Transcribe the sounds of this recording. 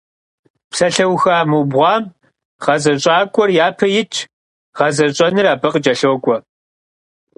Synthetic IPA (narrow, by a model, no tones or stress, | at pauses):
psɐɬɐwxaːmɨbʁʷɑːm | ʁɐzɐɕʼaːkʷʼɔrjaːpʰɐjɪt͡ʃʰ | ʁɐzɐɕʼɐnɨraːbɐqəd͡ʒʼɐɬowkʷʼɔ